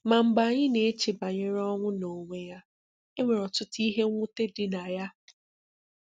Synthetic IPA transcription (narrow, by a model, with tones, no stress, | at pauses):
ma˨m̩˨ba˨ɲɪ˦ne˨e˦t͡ʃɪ˨ba˨ɲɪ˦ɾɔ˦ŋʷʊ˦no˨ŋʷe˦ja˦ | e˦ŋʷe˨ɾɔ˨tʊ˦ti˦ɦe˦ŋʷʊ˦te˦dɪ˨na˨ja˦